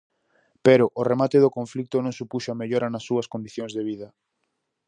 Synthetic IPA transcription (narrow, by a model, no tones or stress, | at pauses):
peɾoʔoremat̪eðokoɱflik̚t̪onõŋsupuʃameʎoɾɐnɐsːuɐskond̪iθjoŋzðeβ̞iðɐ